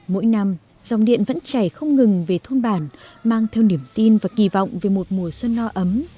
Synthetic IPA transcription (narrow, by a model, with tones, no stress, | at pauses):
mo̰˧˥jna˧m | za˨˩wŋ͡mɗḭ˧˨ənvə̰˧˥nt͡ɕa˧˩jxə˧wŋ͡mŋɨ˨˩ŋve˨˩t̪ʰo˧nɓaː˧˩nmaː˧ŋt̪ʰɛ˧wni˧˩əmt̪i˧nvaː˨˩ki˧˩vɔ̰˧˨wŋ͡mve˨˩mo˨˩t̚mu˨˩əswə˧nːɔ˧ʔə˨˦m